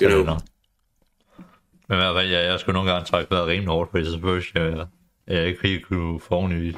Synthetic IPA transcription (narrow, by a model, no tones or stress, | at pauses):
enɔɡ̥ | menʋæɐfæl̰jæjɑ̈ɪsɡ̥uno̝ːn̩ɡ̥ɑ̈ŋt͡sʰʁɑɡ̥ə̥ʋeɐðˠʁiːmlihɔːd̥fʰɒ̽desɒsefølæ | æjɑe̝ɡ̥fikʰufɒniʋḭs